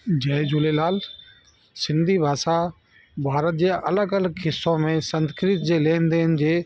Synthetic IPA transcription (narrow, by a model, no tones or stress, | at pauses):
d͡ʑɐːɪd͡ʑulelaːl | sɪ̃nd̪ʱibʱaːsa | bʱaːɾət̪̚d͡ʑeːʔɐləɡələɡɦɪsːõmẽsɐ̃nskɾɪt̪̚d͡ʑeːleːnd̪eːnɪ̆d͡ʑeː